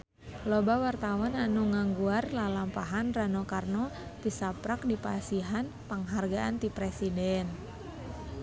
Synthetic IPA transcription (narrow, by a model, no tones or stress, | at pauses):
lɔbawart̪awananuŋaŋɡuarlalampaɦanranɔkarnɔt̪isapɾak̚dipasiɦan | pəŋɦarɡaʔant̪ipɾɛsidɛn